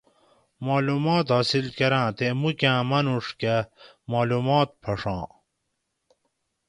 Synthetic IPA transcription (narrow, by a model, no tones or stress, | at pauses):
maːlumaːt̪ɦɐsilkɐɾãːt̪emukãːmɐnuʂkɐ | maːlumaːt̪̚pʰɐʂãː